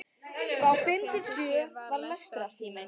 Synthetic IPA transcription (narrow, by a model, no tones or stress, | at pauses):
fɾawfɪmc̪ɪsjʏːvaɾlœst̪ɾa